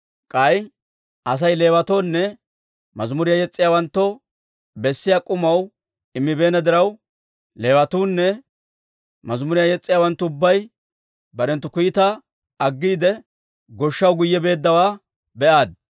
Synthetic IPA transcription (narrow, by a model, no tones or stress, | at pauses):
kʼɐj | ʔɐs̬ɐjle̞ːwɐt̪oːnːɛ | mɐzmʊɾɪjajɛt͡sʼːɪjaːwɐnt̪ːɔ | bɛsːɪjakʼʊmɐw | ɪmːɪbe̞ːnɐd̪ɪɾɐw | le̞ːwɐt̪uːnːɛ | mɐzmʊɾɪjajɛt͡sʼːɪjaːwɐnt̪ːʊʊbːɐj | bɐɾɛnt̪ːʊkʊjɪt̪ɐ | ɐɡːiːd̪ɛ | ɡɔʃːɐwɡʊjːɛbe̞ːd̪ːɐwaː | bɛʔaːd̪̚